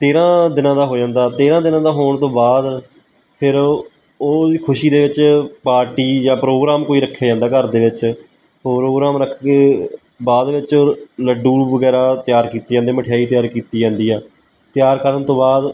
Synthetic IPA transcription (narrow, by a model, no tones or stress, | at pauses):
t̪eːɾãːd̪ɪnãːd̪aːɦoːd͡ʒãːnd̪aːt̪eːɾãːd̪ɪnãːd̪aːɦoːɳt̪õːbaːd̪ | pʰɪɾ | oːiːkʰʊʃiːd̪eːʋɪt͡ʃpaːɾʈiːd͡ʒãːpɾoːɡɾaːmkoːiːɾəkʰːeːd͡ʒãːnd̪aːkəɾd̪eːʋɪt͡ʃ | pːɾoːɡɾaːmɾəkʰːkeː | baːd̪ʋɪt͡ʃoːləɖːuːʋəɡɛːɾaːt̪ɪjaːɾkiːt̪iːãːd̪eːməʈʰjaːiːt̪jaːɾkiːt̪iːd͡ʒãːnd̪iːɛː | t̪ɪjaːɾkəɾənt̪õːbaːd̪